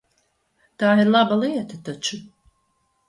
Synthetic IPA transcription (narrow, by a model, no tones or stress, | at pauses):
t̪aːiɾlˠabalˠiɛt̪at̪at͡ʃu